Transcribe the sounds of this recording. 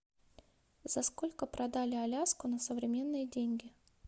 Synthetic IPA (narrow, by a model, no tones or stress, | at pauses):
zɐsko̞lʲkəpɾʔɐd̪alʲɪɐlʲaskʊnəsəvɾʲɪmʲe̞nːɨjədʲenʲɡʲɪ